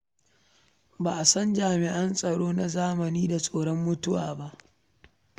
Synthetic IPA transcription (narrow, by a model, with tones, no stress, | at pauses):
baː˨ʔa˨sɐ˦nd͡ʒaː˨mɪ˨ʔa˦nsʼɐ˨ɽoː˦na˨zaː˦mɐ˨niː˦da˨sʼoː˨ɽɔ˦mːʊ˦tʊ˦waː˨ba˦ʔ